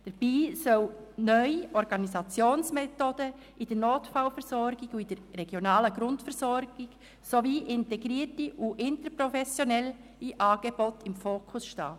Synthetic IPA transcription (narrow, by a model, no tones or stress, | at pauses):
d̥əɾb̥iːsœwnœʏiʔɔɾɡ̥ɑnizɑt͡sjoːnsmɛtoːd̥ə | ʔid̥ənoːtfaʊwfɛɾsɔɾɡɪɡuid̥əɾːɛɡ̥jonɑːləɡɾʊntfɛɾsɔɾɡ̥ɪɡ | soviːʔɪntɛɡɾiːətiʔuʔɪntəɾpɾɔfɛsjonɛl | iʔɑːɡ̥eb̥otɪmfoːkʰʊsʃtɑ̰ː